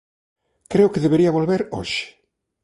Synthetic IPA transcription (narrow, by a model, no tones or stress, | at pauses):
kɾeʊkeðeβeɾiɐβolβeɾo̰ʃɪ̥